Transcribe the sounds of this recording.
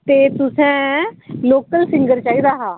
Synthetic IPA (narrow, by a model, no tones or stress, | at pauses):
t̪eːt̪ʊsɛ̃ːloːkəlsɪ̃ŋɡəɾt͡ʃaːiːd̪aːɦaː